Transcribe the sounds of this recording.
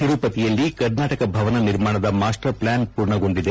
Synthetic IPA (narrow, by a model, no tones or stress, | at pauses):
iɾuːpɐt̪ijɐlːikɐɾnaːʈɐkɐbʱɐʋɐnɐniɾmaːɳɐd̪ɐmaːsʈɐɾplaːnpuːɾɳɐɡo̞ɳɖid̪e